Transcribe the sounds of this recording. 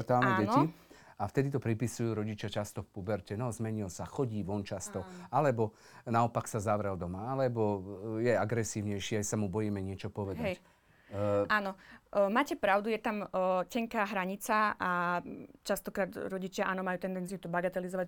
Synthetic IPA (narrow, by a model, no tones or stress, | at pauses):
ɾt̪aːlnɛaːɟɛnɔiaft̪ɛd̪it̪ɔpɾipisujuːɾɔɟit͡ʃɪat͡ʃast̪ɔfpubɛɾcɛnɔzmɛɲilsaxɔɟiːʋɔnt͡ʃast̪ɔalɛbɔ | naɔpaksazaʋɾɛld̪ɔmaalɛbɔjɛaɡɾɛsiːʊɲɛjʃiajsamubɔjimɛɲɪɛt͡ʃɔpɔʋɛd̪aɛjc | ʔaːnɔmaːcɛpɾaʊd̪ujɛt̪amcɛŋkaːɦɾaɲit͡saʔa | t͡ʃast̪ɔkɾaːd̪ɾɔɟit͡ʃɪaʔaːnɔmajuːt̪ɛnd̪ɛnt͡sijut̪ɔbaɡat̪ɛlizɔʋac